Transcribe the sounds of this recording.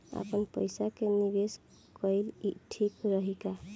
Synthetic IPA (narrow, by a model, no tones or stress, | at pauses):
a̰pənpəjsakenibes | kəjliʈʰikɾəɦika